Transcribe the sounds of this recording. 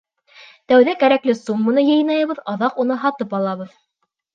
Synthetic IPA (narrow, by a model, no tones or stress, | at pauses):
t̪æwðækæɾæklɘsumːɤ̆nɤjɤ̆jnɑjɑβɤðɑðɑqunɤɦɑt̪ɤpɑlˠɑβɤð